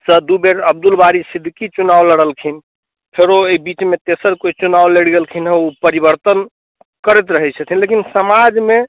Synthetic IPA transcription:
səd̪ubeɾəbd̪ulbaɾisid̪ʱːkit͡ʃunawləɽəlkʰin | pʰeɾoeibit͡ʃmet̪esəɾkoit͡ʃunawleɽɡelkʰinɦɛupəɾibəɾt̪ən | kəɾɛt̪̬ɾəɦɛt͡ʃʰət̪ʰinlekinsəmad͡ʒme

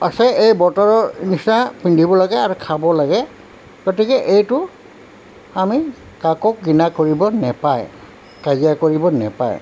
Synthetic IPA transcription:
asɛejbɔtaɹɔnisapindʱibɔlaɡɛaɹukʰabɔlaɡɛ | ɡ̥otikɛʔejtʊ | ami | kakɔk̚ɡinakoɹibɔnɛpaj | kazijakoɹibɔnɛ̰pa̰j

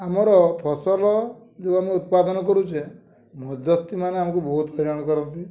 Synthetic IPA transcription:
amɔɾɔpʰɔsɔlɔ | d͡ʒoameut̪̚pad̪ɔnɔkɔɾut͡ʃʰe | mɔd͡ʒ̪ɔst̪imaneamɔkubɔɦut̪ɦɔɾɔɽ̃ɔkɔɾɔnt̪i

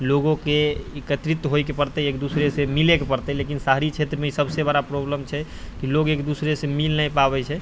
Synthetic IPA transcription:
loɡõkeekət̪ɾit̪ːɦojkepəɾt̪ɛekd̪usɾesemilekepəɾt̪ɛlekinsaɦɾit͡ʃʰet̪ɾəmeisəbsebəɽapɾobləmt͡ʃʰɛ | kiloɡekd̪usɾesemilnajpabɛt͡ʃʰɛ

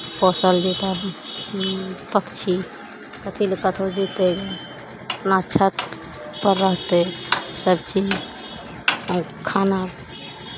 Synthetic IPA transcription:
pɔsəld͡ʒet̪a | pəkt͡ʃʰi | kət̪ʰilekət̪ʰod͡ʒit̪eɡe | pnat͡ʃʰət̪ | pəɾːəɦt̪esəbt͡ʃi | kʰana

